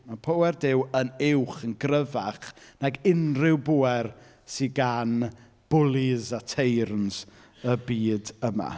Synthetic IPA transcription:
mapʰowɛrdɪwənɪwχənɡrəvaχnaɡɪnrɪwbuːɛr | siɡan | b̥ʊlˠɪzatʰejrnz̥ | əbiːdəma̰

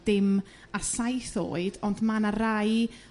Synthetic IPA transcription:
d̥ɪm | asajθo̰ːɨdɔndmanaraj

